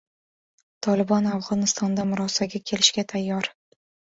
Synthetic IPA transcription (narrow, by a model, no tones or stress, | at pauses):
t̪ʰɒlɪbɒnafʁɒnɪst̪ɒnd̪amʊɾɒsaɡʲakʲʰe̞lɪʃɡʲat̪ʰajːɒɾ